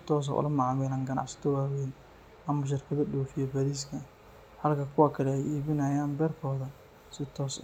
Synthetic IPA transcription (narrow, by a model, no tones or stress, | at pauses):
sɪt̪ʰɔːs̬ɐ̰ʔʊ̰lɐmɑʕɑmɛlɐŋɡɐnɑ̰ʕsɐ̥t̪ʰɔwaːwɛːn | ɐmʊʃ̬ɪrkʰɐðɐɗɔːfɪjɐbɐɾiːs̬kʰɐ | hɐlkʰɐkʰʊwakʰɐlɛɛjiːβɪnɐjaːmbɛːrkʰɔːðɐ | sɪt̪ʰɔːs